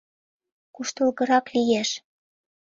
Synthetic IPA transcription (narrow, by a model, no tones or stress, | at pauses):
kuʃt̪ɤ̆lɣɤ̆ɾɑklijeʃ